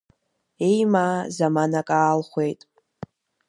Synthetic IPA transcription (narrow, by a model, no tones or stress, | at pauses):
e̞jmaːzamanakʼaːlχʷe̞jtʼ